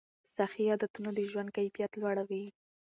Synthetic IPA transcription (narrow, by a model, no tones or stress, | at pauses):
saxijɑd̪at̪unod̪əʒwand̪̚kajfijat̪lwaɽawi